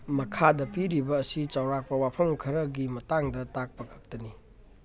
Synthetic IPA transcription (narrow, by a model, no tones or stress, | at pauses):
mɐkʰadɐpiɾibɐːsit͡ʃawɾak̚pɐwapʰɐmkʰɐɾɐɡimɐtaŋdɐtak̚pɐkʰɐ̥k̚tɐni